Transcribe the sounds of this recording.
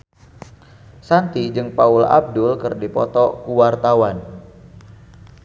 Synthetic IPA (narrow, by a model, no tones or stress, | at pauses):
sant̪id͡ʒɨŋpaula̰b̚dʊlkɨrdipɔt̪ɔkuwart̪awan